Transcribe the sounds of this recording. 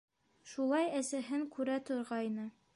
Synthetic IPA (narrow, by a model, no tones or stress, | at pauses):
ʃulˠɑjæsæɦɘŋkʉɾæt̪ŏɾʁɑjnɤ